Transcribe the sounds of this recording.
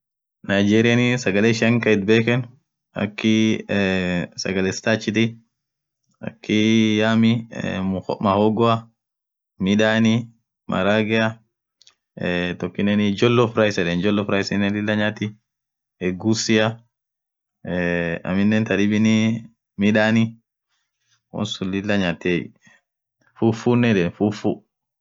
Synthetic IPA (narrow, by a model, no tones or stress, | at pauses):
najd͡ʒeːɾɪjanɪsɐɡɐleʃɪɐŋkɐɪt̪̚beːkɛn | ɐ̰kːɪ | sɐ̰ɡɐlɛst̪aːt͡ʃːɪt̪ɪ | ɐ̰kːɪjaːmɪ | mɐhɔɡɔɐ | mɪᶑaːnɪ | mʔɐ̰ɾaːɡɛɐ | tokːinɛnid͡ʒɔlːɔfɾajsɛɗɛnd͡ʒɔlːɔfɾajsɛnɛlilːaɲati | ɛɡusia | ɛa̰mindɛntaɗiɓini | miɗani | ʔɔ̰nsulilːaɲatɛ̰ | fufunɛɗɛnfufṵ